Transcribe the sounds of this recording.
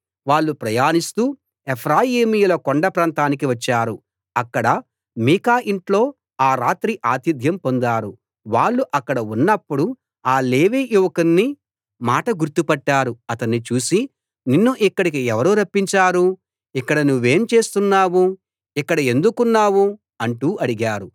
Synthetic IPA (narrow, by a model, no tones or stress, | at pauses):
ʋaːɭːupɾɐjaːnist̪uː | epʰɾaːjiːmijulɐkoɳɖɐpɾaːnt̪aːnik̬iʋɐt͡ʃːaːɾu | ɐkːɐɽɐ | miːkaːʔiɳʈlo̞ː | aːɾaːt̪ɾiʔaːt̪id̪ʱjɐmpond̪aːɾu | ʋaːɭːuʔɐkːɐɽɐunːɐpːuɽu | aːleːʋiːjuʋɐkɐnːi | maːʈɐɡuɾt̪upɐʈːaːɾuɐt̪ɐnːit͡ʃuːsi | ninːuʔikːɐɽikiɛʋɐɾuːɾɐpːiɲt͡ʃaːɾu | ikːɐɽɐnuʋːe̞ːmt͡ʃe̞ːst̪unːaːwu | ikːɐɽɐe̞nd̪ukunːaːwu | ɐɳʈuːɐɽiɡaːɾu